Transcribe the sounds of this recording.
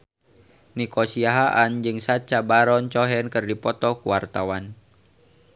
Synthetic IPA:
nikɔsiaɦaʔand͡ʒɨŋsat͡ʃabaɾɔnt͡ʃɔɦɛnkɨrdipɔt̪ɔkuwart̪awan

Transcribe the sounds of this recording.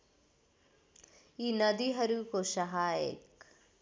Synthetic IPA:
iːnɐd̪iɦɐɾuːkoʃɐɦaːḛk

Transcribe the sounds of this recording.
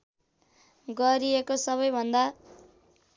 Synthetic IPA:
ɡʌɾiekosʌβʌjbʱʌnd̪a

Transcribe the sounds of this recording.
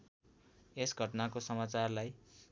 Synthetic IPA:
esɡʱʌʈnakosʌmat͡sarlaj

